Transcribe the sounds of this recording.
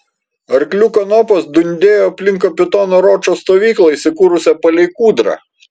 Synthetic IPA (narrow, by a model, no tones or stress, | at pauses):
ɐɾklʲukɐnɔːpɐsd̪ʊnʲd̪ʲeːjoːɐpʲlʲɪŋkoːpʲɪt̪ɔːnoːɾɔːt͡ʃoːst̪oːʋʲiːklˠɐiːsʲɪkuːɾʊsʲɛpɐlʲɛɪkuːd̪ɾɐ̰